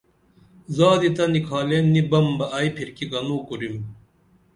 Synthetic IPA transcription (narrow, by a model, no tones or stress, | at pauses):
zɑːd̪it̪ɐnikʰaːlenːibɐmbɐʔɐjpʰiɾkiɡɐnoːkuɾim